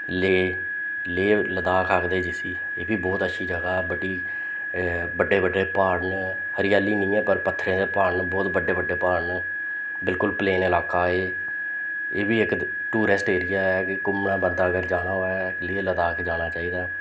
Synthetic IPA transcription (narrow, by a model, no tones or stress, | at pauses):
leː | leːləd̪aːkʰakd̪eːd͡ʒɪsiː | eːbʱiːbɔːt̪ətːʃʰiːd͡ʒəɡaːɛːbəɖiː | bəɖːeːbəɖːeːpaːn | həɾɪjaːliːnəĩːɛːpəɾpət̪ʰːɾẽːd̪eːpaːnbɔːt̪bəɖːeːbəɖːeːpaːɳ | bɪlkʊlpleːnɪlaːkaːeː | eːbʱiːɪk | ʈuːɾɪsʈeːɾɪjaːɛːkɪkʊmnãːbənd̪aːɡəɾd͡ʒaːnaːɛː | liːləd̪aːkd͡ʒaːñaːt͡ʃaːiːd̪aː